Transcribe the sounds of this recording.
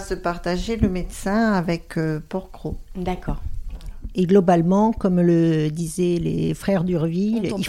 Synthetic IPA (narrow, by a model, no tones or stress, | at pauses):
səpaʁt̪aʒeləmed̪sɛ̃avɛkøpɔʁkχod̪akɔʁ | eɡlɔbalmɑ̃kɔmləd̪izɛlḛfχɛʁd̪yʁvili